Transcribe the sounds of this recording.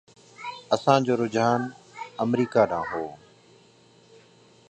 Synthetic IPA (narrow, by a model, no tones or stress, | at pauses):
əsãːd͡ʑoːɾʊd͡ʒaːnəmɾiːkaːɗãːɦoː